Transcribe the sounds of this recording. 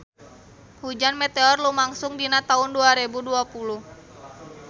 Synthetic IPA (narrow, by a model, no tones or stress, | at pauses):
hud͡ʒanmɛt̪eɔrlumaŋsʊŋdinat̪aunduaɾebuduapuluh